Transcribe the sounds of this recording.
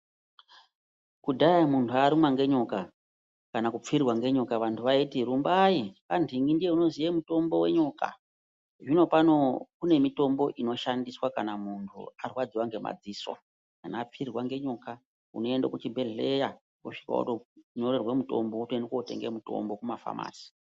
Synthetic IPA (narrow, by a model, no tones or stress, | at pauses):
kudʱajamuntʰuaɾimwaŋɡe̞ɲoka | kanakup͡firwaŋɡe̞ɲokaʋantʰuʋaitiɾumbaikandʱiŋɡindije̞uno̞zijemuto̞mbo̞we̞̰ɲoka̰ | ʐino̞pano̞kune̞mito̞mbo̞ʔino̞ʃandiswakanamuntʰṵariwad͡ziwaŋɡe̞ma̰d͡ziswa̰ | kanaːp͡firwaŋɡe̞ɲo̞ka | ṵno̞e̞nda̰kut͡ʃibʱe̞ɮeja | ko̰ʂi̥ka̰kṵtoɲo̞ɾerwemuto̞̰mboutuendekote̞̰ŋɡḛmuto̞̰mbo̞kumafa̰ma̰ːsi̥